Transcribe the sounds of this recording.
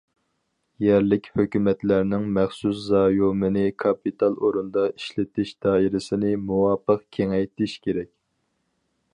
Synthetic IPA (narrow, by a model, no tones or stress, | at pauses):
jɛɾlɪkʲhøkʲymɛt̪læɾnɪŋmɛχsus̬zɑːjomɨnɪkʰɑpit̪ʰɑlˠoɾund̪ɑiʃlɪt̪ʰɪʃd̪̥ɑːiɾɪsɪnɪmuwɑːpəqkʲʰeŋɛjt̪ʰɪʃkʲʰeɾɛk̚ʲ